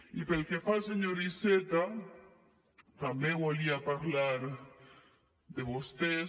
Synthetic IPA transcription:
ipelkefalseɲoɾiset̪a | t̪ambẽwoliapaɾlaɾ | d̪eβost̪e

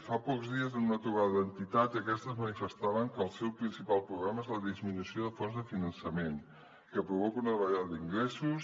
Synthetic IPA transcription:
fapɔkzðiəzənunət̪ɾuβaðəðənt̪it̪at̪iəkɛst̪əzmənifəst̪aβəŋkəlˠsɛwpɾinsipalˠpɾuɣɾaməezləðizminusioðəfɔnzðəfinənsəmen | kəpɾuβɔkunəðβəʎaðəd̪iŋɡɾɛsus

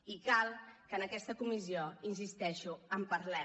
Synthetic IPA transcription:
ikalˠkənəkɛst̪əkumizioinsist̪ɛʃuəmpəɾlɛ

